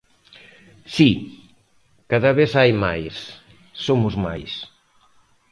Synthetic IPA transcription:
si | kaðɐβeθajma̰jsː | omʊzma̰js

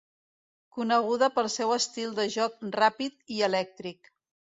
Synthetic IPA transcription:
kunəɣ̞uðəpəlˠsɛwəst̪ilˠd̪əʒɔk̚rapit̪iəlɛk̚t̪ɾik

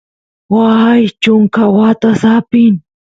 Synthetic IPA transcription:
wajt͡ʃʊŋkawat̪asapɪŋ

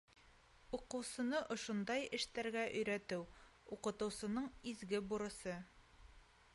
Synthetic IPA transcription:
uqɤ̆wsɤ̆nɤʔŏʃŏnd̪ɑjɘ̆ʃt̪æɾɡæʔɵ̆jɾæt̪ɘw | uqɤ̆t̪ɤ̆wsɤ̆nɤɴizɡɘbuɾɤ̆sɤ

